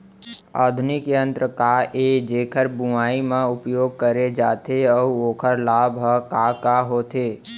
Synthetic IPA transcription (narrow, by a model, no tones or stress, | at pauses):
a̰ːd̪ʱʊnikeə̃nt̪ɾəkaːʔed͡ʒeːkʰəɾbuaːimãʊpjoːɡ̚kəɾed͡ʒaːt̪eɔːoːkʰəɾlaːbɦəkaːkaːɦoːt̪ʰeː